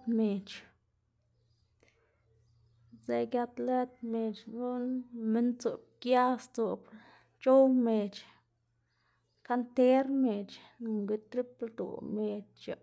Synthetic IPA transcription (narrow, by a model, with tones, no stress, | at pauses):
t̪me˨t͡ʃ | ze˧ɡja˧t̪le˦t̪̚me˨t͡ʃɡu˦nme˦nt͡su˨b̚kja˦st͡so˨b | t͡ʃo˦wme˨t͡ʃ | ka˧˦nt̪e˦ɾme˨t͡ʃ | nu˨ŋɡi˧t̪ɾi˦pld̪ṵ˨me˨t͡ʃt͡ʃa˧˨